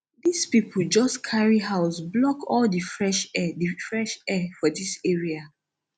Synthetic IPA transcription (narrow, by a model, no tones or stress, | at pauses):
dispipʰold͡ʒɔskʰaɹiɦaʊsblɔkɔldifɹɛʃɛdifɹɛʃɛfɔdiseɹia